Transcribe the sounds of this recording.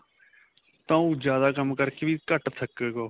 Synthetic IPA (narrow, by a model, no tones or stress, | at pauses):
t̪ãːũːd͡ʒjaːd̪aːkəmkəɾkeːʋiːkəʈt̪ʰəkeːɡoː